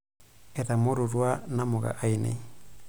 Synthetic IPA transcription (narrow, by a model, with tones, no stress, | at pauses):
ɛ˨ta˨mo˦ɾuɾwa˦na˦mo˨ɣa̰˨ʔa˦inḛ˨